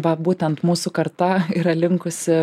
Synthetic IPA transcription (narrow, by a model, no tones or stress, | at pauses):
ʋɐbuːt̪ʲɛnt̪muːsʊkɐɾt̪ɐiɾɐlʲɪŋkʊsʲɪ